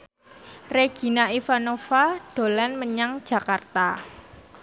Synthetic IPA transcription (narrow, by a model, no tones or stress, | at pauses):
reɡ̥i̤naifanofaɖ̥o̤lanməɲaŋ̥d͡ʒ̥a̤kart̪a